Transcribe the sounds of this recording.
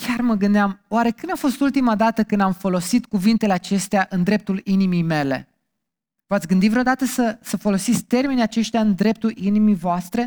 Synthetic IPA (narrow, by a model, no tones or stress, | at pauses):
kʲarməɡɨnd̪eamwaɾe̞kɨnafo̞st̪ult̪imad̪at̪əkɨnd̪amfo̞lo̞sit̪kuvint̪e̞le̞at͡ʃe̞st̪eaʔɨnd̪ɾe̞p̚t̪ulinimijme̞le̞̰ | vat̪sʲɡɨnd̪itvɾeo̞d̪at̪əsəsəfo̞lo̞sit̪sʲt̪e̞rmeneat͡ʃe̞ʃt̪jaɨnd̪ɾe̞p̚t̪ulinimijvoast̪ɾe̞